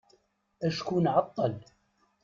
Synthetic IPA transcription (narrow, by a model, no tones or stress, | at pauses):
ʔaʃkunʕɑt̪ˤːɑl